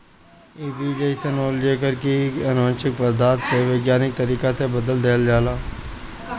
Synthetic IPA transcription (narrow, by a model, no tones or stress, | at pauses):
iːbiːd͡ʒeːsənoːld͡ʒeːkəɾkiənõːnt͡ʃɪk̚bəd̪aːt̪seʋeːɡjaːnɪk̚t̪əɾiːkasebəd̪əld̪eːld͡ʒaːlaː